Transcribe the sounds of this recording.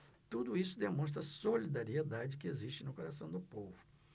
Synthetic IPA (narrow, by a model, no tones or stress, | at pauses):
t̪ud̪ʊisʊd̪emõst̪ɾɐsolid̪aɾied̪ad͡ʒɪkɪezist͡ʃɪnʊkoɾasɐ̃w̃d̪ʊpovʊ